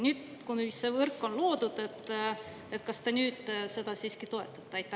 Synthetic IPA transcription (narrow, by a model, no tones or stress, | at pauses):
nyːd̪̥kunyssevɤrkːˑo̞nloːd̪̥ud̪̥e̞t̪ːˑ | e̞t̪kɑst̪enyːd̪̥se̞d̪̥ɑsiːskit̪o̞e̞t̪ːˑɑ̥t̪ːeɑjt̪ːˑɑ